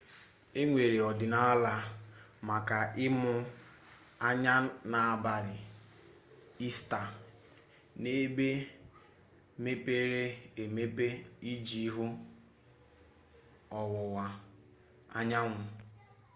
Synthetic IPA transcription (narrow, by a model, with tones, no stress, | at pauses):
e˦ŋʷe˨ɾe˨ɔ˨dɪ˨na˦la˨ | ma˨ka˨ʔɪ˦mʊ˦ | a˦ɲa˦na˨a˨ba˨ɾɪ˨ | i˦sta˨ | ne˦be˦ | me˦pe˦ɾe˦e˨me˦pe˦i˦d͡ʒi˦ɦʊ˦ | ɔ˨wʊ˨wa˨ | a̰˦ɲa˦ŋʷʊ˨